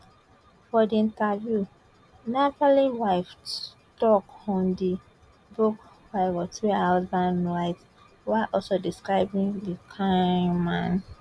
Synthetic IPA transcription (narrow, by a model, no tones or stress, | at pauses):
fɔdiĩntavju | napaliwaɪf | tɔkɔ̃ndi | buk | waɪwɔtɹiaʊsbãndɹaɪt | waɪlʔɔlsodiskɹaɪbĩŋdikʰãmãn